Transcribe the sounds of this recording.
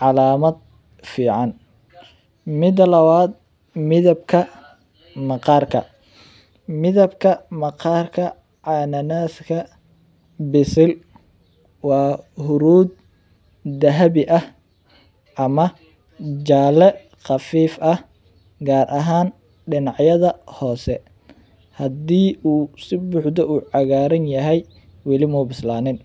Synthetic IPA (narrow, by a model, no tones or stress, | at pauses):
ʕɑlaːmɐd̪̚ | fiːʕɑn | mɪd̪ɐlɐwaːd̪̚ | mɪðɐbkʰɐ | mɑqɑːrkʰɐ̰ | mɪðɐbkʰɐmɐqɑrkʰɐ | ʕɑːnɐnaːskʰɐ | bɪsɪl | wɑːhʊɾuːd̪̚ː | ɐɦɐβɪʔɐh | ʔɐmɐ | d͡ʒaːlɛ | qɑfiːfʔɐh | ɡaːɾʔɐɦaːn | ɖɪnɑʕjɐðɐhɔːsɛ | hɐdiːuːsɪbʊːħd̪ɔʔuːʕɑɣaːɾɐnjɐɦɛj | wɐlɪmɔːbɪslaːnɪn